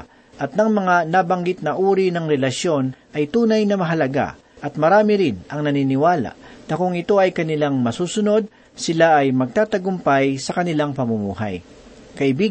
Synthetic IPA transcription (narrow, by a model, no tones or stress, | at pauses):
ʔɐt̪̚nɐŋmɐŋanabɐŋɡɪt̪̚nɐʔuːɾinɐŋɾɛlɐʃjo̞nʔɐjt̪uːnajnɐmɐɦɐlɐɡa̰ | ʔɐt̪̚mɐɾaːmɪɾɪnɐŋnɐniːnɪwaːla̰ʔnɐkʊŋɪt̪o̞ɐjkɐnɪlaŋmɐsuːsʊno̞d̪̚ | sɪlaʔɐjmɐɡ̚t̪aːt̪ɐɡʊmpajsɐkɐnɪlaŋpɐmʊmṵːha̰j | kɐʔɪbiː